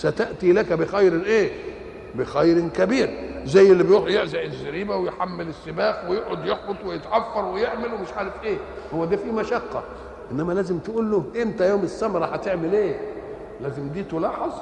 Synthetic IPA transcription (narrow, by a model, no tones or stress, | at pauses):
sæt̪æʔt̪ilækæbɪxæjɾɪnʔeː | bɪxæjɾɪkæbiːɾzæjːelːibjojeʕzæʔɪzːæɾiːbæwejħamːɪlɪsːɪbæːxwejeʔʕod̪jeħbot̪ˤwɪjet̪ʕɑfːɑɾˤwɪjeʕmelwemɪʃʕaːɾefʔeː | howːæd̪æːfiːmæʃɑqːɑ | ʔenːæmælæːzɪmt̪ʔuːlːohʔent̪æjoːmɪsːæmɾˤɑħæt̪eʕmɪlʔeː | læːzɪmd̪iːt̪olɑːħɑzˤ